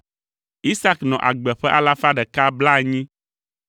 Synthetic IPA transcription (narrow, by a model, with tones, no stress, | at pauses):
i˦sa˦knɔ̃˨ʔa̰˨ɡ͡bɛ˨ɸɛ˦ʔa˦la˦fa˦ɖɛ˨ka˦bla˦˨ɲĩ˦